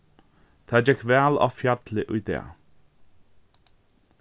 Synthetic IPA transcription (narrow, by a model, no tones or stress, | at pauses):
t̪ʰad͡ʒɛkvɛlɔ̰fjad̪ləʔud̪ɛ̰ː